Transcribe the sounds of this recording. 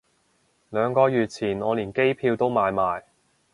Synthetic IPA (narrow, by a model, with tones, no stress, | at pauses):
lœː˨˧ŋkɔː˧jyː˨t̚t͡sʰiː˨˩nɔː˨˧liː˨˩nke˥jpʰiː˧wt̪o˥wmaː˨˧jmaː˨j